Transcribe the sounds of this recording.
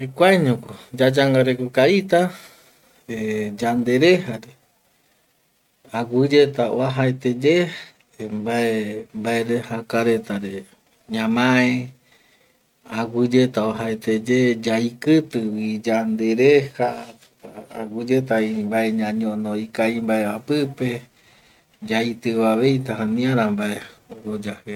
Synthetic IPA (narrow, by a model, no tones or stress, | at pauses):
ikʷaɲõkod͡ʒad͡ʒaŋɡaɾekokait̪a | ed͡ʒand̪e̞ɾehaɾe | aɡud͡ʒet̪aoaɦaet̪ed͡ʒe | mbaembaeɾehakaɾet̪aɾe | ɲãmãẽ | aɡud͡ʒet̪aoɦaet̪ed͡ʒed͡ʒaikɨt̪ɨwid͡ʒand̪eɾeha | aɡud͡ʒe̞t̪̬aimbaeɲãɲõnõikaimbaeapɨpe̞ | d͡ʒait̪ɨβaβejt̪ahãnĩãɾambaeod͡ʒahe